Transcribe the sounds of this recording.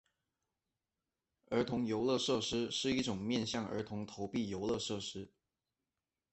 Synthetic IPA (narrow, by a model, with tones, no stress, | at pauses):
ə˞˧˥t̪ʰʊ˧˥ŋjo˧˥ʊlɤ˥˧ʂɤ˥˧ʂɻ̩˥ʂɻ̩˥˧i˥˩ʈ͡ʂʊ˨˩ŋmjɛ˥˧nɕjɑ˥˩ŋə̰˧˥t̪ʰʊ˧˥ŋt̪ʰo˧˥ʊpi˥˩jo˧˥ʊlɤ˥˧ʂɤ˥˩ʂɻ̩˥